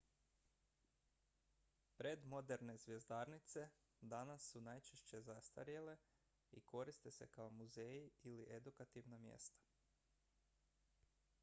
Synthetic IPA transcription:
pɾed̪mo̞d̪e̞ɾne̞zʋje̞zd̪aɾnit̪se̞ | d̪anasːunajt͡ʃeʃt͡ɕe̞zast̪a̰ɾjele̞ | ḭko̞ɾist̪e̞se̞kaomuzejiiliʔed̪ukat̪iʋnamjḛst̪ḁ

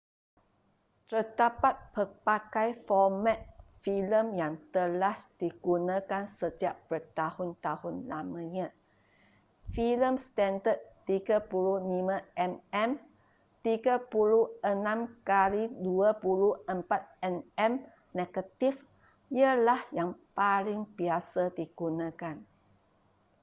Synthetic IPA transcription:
t̪ərdapat̪̚pərpakajfɔmɛ̃t̪̚filəmjaŋt̪əlasd̥iɡ̥unãkansət̪iaʔpərt̪ahʊnt̪ahʊnlamə̃ɲã | filəmst̪ɛndəd̪̚t̪iɡapuluhlimãɛmɛm | t̪iɡapuluənãmkaliduapuluhəmpat̪̚ɛnɛm | neɡət̪if | jəlahjaŋpalɪŋbiasadiɡ̥unãkan

